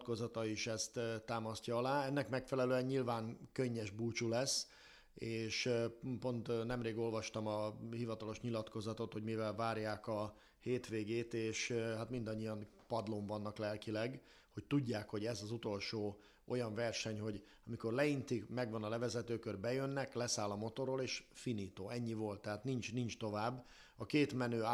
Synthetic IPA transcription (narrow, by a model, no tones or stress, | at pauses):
t̪kozɒt̪ɒiʃɛst̪t̪ːaːmɒscɒɒlaːɛnːɛkmɛkfɛlɛløːɛɲɲilvaːŋkøɲːɛʒbuːt͡ʃulɛsː | eːʃpo̞nt̪nɛmreːɡo̞lvɒʃt̪ɒmɒhivɒt̪ɒlo̞ʃɲilɒt̪ko̞zɒt̪o̞t̪ho̞ɟmivɛlvaːɾjaːkɒ | heːt̪ʋeːɡeːt̪eːʃɦat̪mind̪ɒɲːijɒn | pɒd̪loɱvɒnːɒklɛlkilɛɡ | ho̞c̚t̪uɟːaːkho̞ɟɛzɒzut̪o̞lʃoː | ʔo̞jɒɱvɛrʃɛɲho̞ɟ | ɒmiko̞rlɛint̪imɛɡvɒnɒlɛvɛzɛt̪øːkørbɛjønːɛklɛsaːlɒmot̪o̞ɾoleːʃfiniːt̪oːɛɲːivo̞lt̪ːɛɦaːt̪nint͡ʃnint͡ʃt̪o̞vaːbː | ɒkeːt̪mɛnøː